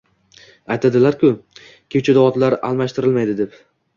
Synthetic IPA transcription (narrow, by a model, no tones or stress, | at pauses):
ajt̪ʰad̪ɪlaɾkʲʰʊ | kʲʰewt͡ʃʰad̪aɒt̪laɾa̰lˠmaʃt̪ʰɪɾɪlmajd̪ɪd̪e̞p